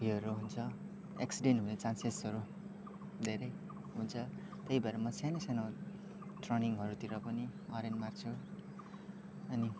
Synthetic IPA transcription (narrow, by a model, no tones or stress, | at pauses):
biʌɾuɦunt͡sʰʌ | ḛksiɖenʈɦunet͡sansesʌɾu | d̪ʱeɾʌj | ɦunt͡sʰʌ | t̪ʌjbaɾʌmʌsʰanʌsano | ʈrʌniŋɦʌɾut̪iɾʌpʌniʌɾenmart͡sʰu | ʌni